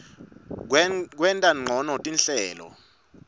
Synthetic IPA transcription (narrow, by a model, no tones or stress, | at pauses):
k̬wɛntʼaŋ͡ǃʱɔnɔtʼinɬɛːlɔ̰